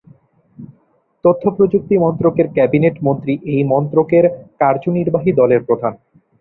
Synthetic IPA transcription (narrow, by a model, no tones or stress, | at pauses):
t̪ot̪ʰːopɾod͡ʑuk̚t̪imɔnt̪ɾokeɾkɛbineʈmont̪ɾiʔejmɔnt̪ɾokeɾkaɾd͡ʑoniɾbaɦid̪ɔleɾpɾod̪ʱan